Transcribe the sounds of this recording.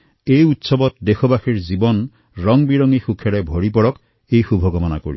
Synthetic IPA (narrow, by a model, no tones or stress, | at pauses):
ejutsɔbɔt̚dexʰɔbaxiɹzibɔn | ɹɔŋbiɹɔŋixukʰjaɹebʱoɹipɔɹɔk | ejxubʱɔɡɔmɔna̰ko̰ɹḭ